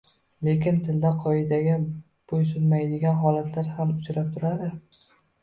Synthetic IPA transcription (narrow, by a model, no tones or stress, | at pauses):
le̞kʲɪnt̪ʰɪld̪aqʰɒɪd̪aɡʲa | b̥ojsʊnmajd̪ɪɡʲanɦɒlat̪ʰlaɾhamʊt͡ʃʰɾap̚t̪ʰʊɾad̪ɪ